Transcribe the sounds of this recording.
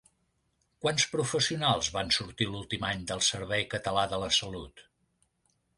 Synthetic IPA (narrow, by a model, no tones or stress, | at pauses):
kwanspɾufəsiunalˠzβansuɾt̪ilulˠt̪imaɲd̪əlˠsəɾβɛjkət̪əlaðələsəlut̪